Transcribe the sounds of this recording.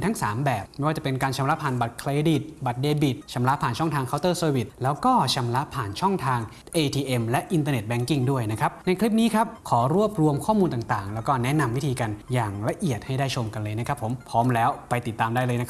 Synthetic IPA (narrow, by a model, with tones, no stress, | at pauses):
nt̪ʰa˦˥ŋsaː˩˦mbɛː˨˩p̚ma˥˩jwaː˥˩t͡ɕa˨˩pe˧nkaː˧nt͡ɕʰa˧mla˦˥pʰaː˨˩nba˨˩t̪̚kʰleː˧di˨˩t̪̚ba˨˩t̪̚deː˧bi˨˩t̪̚t͡ɕʰa˧mla˦˥ʔpʰaː˨˩nt͡ɕʰɔ˥˩ŋt̪ʰaː˧ŋkʰa˦˥wt̪ɤː˥˩soː˧wi˨˩t̪̚lɛː˦˥wkɔː˥˩t͡ɕʰa˧mla˦˥ʔpʰaː˨˩nt͡ɕʰɔ˥˩ŋt̪ʰaː˧ŋ | ʔeː˧t̪ʰiː˧ʔe˧mlɛ˦˥ʔi˧nt̪aː˧ne˨˩t̪̚bɛ˦˥˩ŋki˥˩ŋdu˥˩əjna˦˥kʰɾa˦˥p̚na˧jkʰli˦˥p̚niː˦˥kʰa˦˥p̚kʰɔː˩˦ɾu˥˩əp̚ɾu˧əmkʰɔː˥˩muː˧nt̪aː˨˩ŋt̪aː˨˩ŋlɛː˦˥wkɔː˥˩nɛ˦˥na˧mwi˦˥t̪ʰiː˧ka˧njaː˨˩ŋla˧ʔi˨˩ət̪̚ha˥˩jdaː˥˩jt͡ɕʰo˧mka˧nlɤː˧jna˦˥kʰa˦˥pʰːo˩˦mpʰɔː˦˥mlɛː˦˥wpa˧jt̪i˨˩t̪ːaː˧mdaː˥˩jlɤː˧jna˦˥kʰ